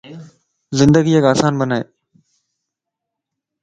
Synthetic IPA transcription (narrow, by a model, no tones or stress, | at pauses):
zɪnd̪əɡiːekaːsaːnbənaːḛː